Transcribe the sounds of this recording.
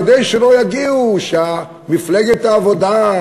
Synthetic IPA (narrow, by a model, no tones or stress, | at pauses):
d̪ejʃelojaɡiuʃea | mifleɡet̪aːvod̪a